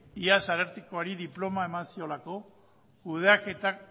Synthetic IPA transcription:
iasaɾeɾt̪ikoaɾiðiplo̞mae̞mansio̞lako̞ | kuð̞eake̞t̪ak

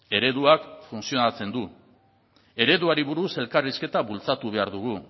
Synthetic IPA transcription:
e̞ɾe̞ðuakfunsio̞nat͡se̞nd̪u | e̞ɾe̞ðuaɾiβuɾuse̞lkariske̞t̪aβult͡sat̪uβ̞e̞aɾðuɣ̞u

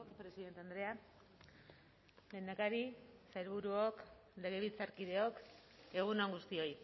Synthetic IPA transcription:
pɾe̞siðent̪eand̪ɾe̞a | le̞nd̪akaɾisajɾβuɾuokle̞ɣeβit͡saɾkið̞e̞o̞ke̞ɣ̞unoŋɡust̪io̞j

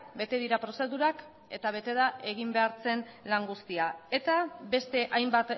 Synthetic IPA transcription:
be̞t̪e̞ðiɾapɾo̞se̞ðuɾak | e̞t̪aβ̞e̞t̪e̞ðaʔe̞ɣ̞imbe̞aɾt͡se̞nlaŋɡust̪iae̞t̪aβe̞st̪e̞ʔajmbat̪

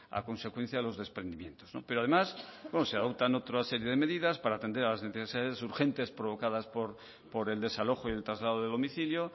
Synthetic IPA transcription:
a̰ko̞nse̞kwen̟θjaðelo̞zðe̞spɾe̞nd̪imjẽ̞nt̪ozno̰peɾoað̞e̞masbwenoseaðo̞p̚t̪ano̞t̪ɾase̞ɾje̞ðeme̞ðiðaspaɾaːt̪e̞nd̪ealazneθessiðaðesuɾxe̞nt̪e̞spɾoβ̞o̞kaðaspoɾ | poɾe̞ld̪e̞salo̞xoie̞lt̪ɾazlað̞oðelo̞miθiljo

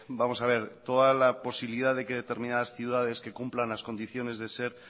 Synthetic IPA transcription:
bamo̞saβ̞e̞ɾt̪o̞ðalapo̞siβiliðaðe̞ke̞ðe̞t̪eɾmĩnaðasθjuðaðe̞ske̞kumplanlasko̞nd̪iθjo̞ne̞zðe̞se̞ɾ

